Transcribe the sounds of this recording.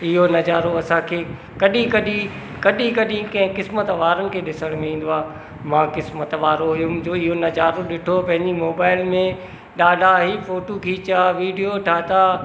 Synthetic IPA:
ɪɦonɐd͡ʑaːɾoɐsãkʰeː | kɐɗĩkɐɗĩ | kɐɗĩkɐɗĩkɐ̃ɦɪ̃kɪsmət̪ʋaːɾənɪ̆kʰeːɗɪsəɽ̃mẽĩːn̆d̪oaː | mãːkɪsmət̪ʋaːɾoɦʊjud͡ʑoːɪɦonɐd͡ʑaːɾoɗɪʈʰopɐ̃ɦɪ̃ɲd͡ʑimoːbaːɪlmẽ | ɗaːɖaɦifoːʈokʰiːt͡ɕaʋiːɖijoʈʰaːt̪a

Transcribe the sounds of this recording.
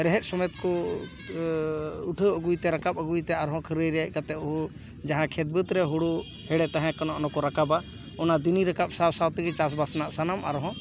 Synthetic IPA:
ɾɛɦɛt̪̚ˀsɔmɔjɔt̪kɔ | uʈʰəəɡujt̪ɛɾakapəɡujt̪ɛaɾɦɔ̃kʰəɾəjɾɛjaʔkat̪ɛɔɦu | d͡ʒaɦãkʰet̪̚bət̪ɾɛɦuɽu | hɛɽɛt̪aɦɛ̃kanɔ̃ʔɔnɔ̃kɔɾakaba | ɔnad̪iniɾəkap̚sawsawt̪ɛɡɛt͡ʃas̬basnaʔsanama̰ɾɦɔ̃

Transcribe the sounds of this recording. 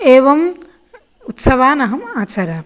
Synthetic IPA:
eːʋɐm | ut̪sɐʋaːnɐɦɐmaːt͡ʃaːɾaː

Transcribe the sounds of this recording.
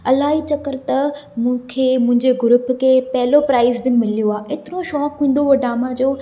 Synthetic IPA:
ɐlaːɦit͡ɕɐkəɾt̪ɐmũːkʰeːmʊ̃ɦɪ̃ɲd͡ʑeɡʊɾʊpkʰepɐɦɪlopɾaːɪzbɪmɪlijoaːɪt̪ɪɾoʃɔːkɦĩːn̆d̪oɐɖaːmad͡ʑoː

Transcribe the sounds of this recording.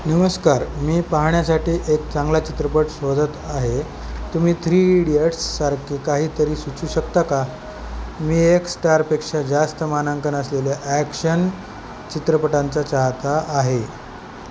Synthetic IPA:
nəməskaɾmiːpaɦɳjasaʈiːʔek̚t͡sãŋɡlat͡ɕit̪ɾəpəʈsʋod͡z̪ət̪aɦe | t̪um̤iːt̪ʰɾiːɽieʈsːaɾkʰekaɦiːt̪əɾiːsut͡ɕuːɕəkt̪aka | miːeksʈaɾpekʂad͡zast̪əmanəŋkənəsleljaʔækɕən | t͡ɕit̪ɾəpəʈant͡sat͡ɕaɦt̪aʔːɦe

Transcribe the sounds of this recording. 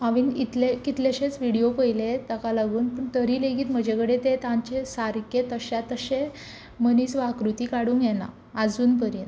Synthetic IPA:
aʋiːnit̪lekit̪leɕẽt͡sʋiɽijopəjlet̪əkalaɡuːnpəɳt̪əɾiːleɡiːt̪m̤əd͡ʑʱekəɽet̪et̪ãɲt͡ɕesaɾket̪əɕat̪əɕẽ | məniːsʋakɾut̪iːkaɽuːŋɡjɛna̰ | ad͡zuːnpəɾiːn

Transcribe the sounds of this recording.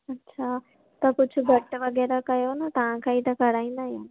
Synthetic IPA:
ɐtːɕʰaː | t̪ɐkʊd͡ʒʱʰʊɡʱɐʈʋɐɡɛːɾakɐjonat̪ɐʋ̤ãkʰãɦit̪ɐkɐɽaːĩːn̆d̪aːɦijaːn

